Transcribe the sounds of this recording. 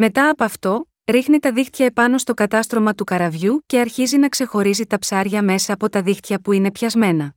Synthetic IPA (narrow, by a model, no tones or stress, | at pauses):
me̞t̪ɐːpoɐft̪o̞ | ɾixnit̪ɐðixt̪çɐe̞pɐno̞st̪o̞kɐt̪ɐst̪ɾo̞mɐt̪ukɐɾɐvʝuce̞ɐɾçizinɐkse̞xo̞ɾizit̪ɐpsɐɾʝɐme̞sɐːpo̞t̪ɐðixt̪çɐpuine̞pçɐzme̞nɐ